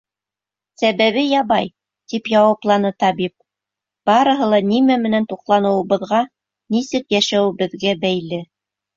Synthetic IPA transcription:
sæβæβɘjɑβɑj | t̪ipjɑwɑplˠɑnɤt̪ɑbip̚ | b̥ɑɾɤ̆ɦɤ̆lˠɑnimæmɘ̆nænt̪uqlˠɑnɤ̆wɤ̆βɤ̆ðʁɑ | nisɘkjæʃæwɘ̆bɘ̆ðɡæbæjlɘ

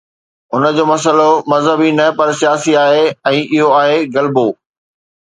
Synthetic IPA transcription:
ʊnəd͡ʑoːmɐs̬əlomɐzɦəbinɐpɐɾsijaːsiaːɦeɛ̃ːʔɪɦoaːɦeɣɐlboː

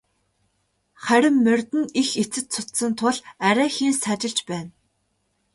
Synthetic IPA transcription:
χæɾʲɪ̆mːœrʲt̪ɘ̆nixet͡sɘ̆t̪t͡sʰʊt̪sə̆nt̪ʰʊɮæɾʲæːxiːnsat͡ɕɪ̆ɬt͡ɕpæːn

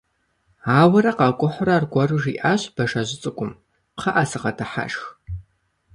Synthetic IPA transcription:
aːwɐɾɐqɑkʷʼʊħʷʊraːrɡʷʼɔrɨʒiːʔaɕb̥ɐʂɐʑɪt͡sʼɨkʷʼʊm | pχɐʔasɨqɐtʰɨħa̰ʂx

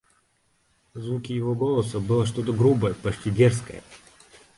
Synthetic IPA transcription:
zvukʲɪjɪvoɡolˠəsəbɨlˠəʂ̬t̪ot̪əɡɾubəjəpɐt͡ɕʲtʲidʲerskə̰jə̰

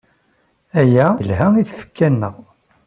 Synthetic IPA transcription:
æjælɦæiθfə̥kʰːænːəʁ

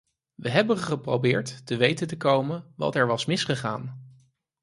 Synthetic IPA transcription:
ʋəɦɛbənχəprowbɪːɹtːəʋejtəntəkowmənʋɑ̰tɛɹʋɑsmɪsχəχa̰ːn

